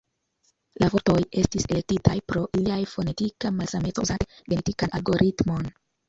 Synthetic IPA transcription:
lavo̞ɾto̞je̞stiselek̚titajpɾo̞ʔiliajfo̞ne̞tikamasametozateɡentikanalɡo̞ɾʔitmo̞n

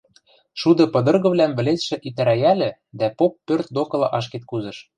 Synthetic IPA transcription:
ʃud̪ɤ̆pɤ̆d̪ɤ̆rɣɤ̆βlæmβɘ̆lesʃɘ̆ʔit̪æɾæjælʲɘ̆ | d̪æpopːørt̪̚d̪okɤ̆lˠɑ̆ʔɑʃ̬ket̪̚kuzɤ̆ʃ

